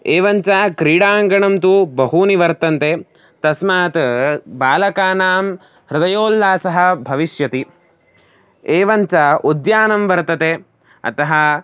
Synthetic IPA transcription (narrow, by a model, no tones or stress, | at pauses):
eːʋɐɲt͡ʃaːkɾiːɽaːŋɡɐɳɐmt̪ubɐɦuniʋɐɾt̪ɐnt̪e | t̪ɐsmaːt̪baːlɐkaːnaːm | ɾɪd̪ɐjoːlːaːsɐɦɐ̆bʱɐʋiʃjɐt̪i | eːʋɐɲt͡ʃɐod̪jaːnɐmʋɐɾt̪ɐt̪eː | ɐ̰t̪ɐɦɐ̆